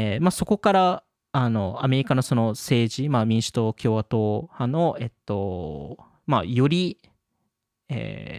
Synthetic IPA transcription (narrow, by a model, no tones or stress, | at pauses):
emaso̞ko̞kaɾa | ano̞ame̞ɾʲikano̞so̞no̞se̞ːʑimamʲĩɰ̃ɕɨ̥t̪o̞kʲo̞ːβat̪o̞ːhãno̞e̞t̪ːo̞ | ma̰jo̞ɾʲi | ḛ